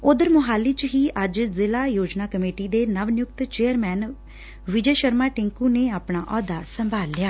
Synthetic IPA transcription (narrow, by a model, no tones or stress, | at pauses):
ʊd̪əɾmʊɦaːliːt͡ʃɦiːʔəd͡ʒzɪlaːjoːd͡ʒnaːkəmeːʈiːd̪eːnəʋnjʊk̚t̪t͡ʃeːəɾmɛːn | ʋɪd͡ʒeːʃəɾmaːʈɪ̃ŋkũːneːaːpɳaːʔɔːd̪aːsəmbʱaːlːɪjaː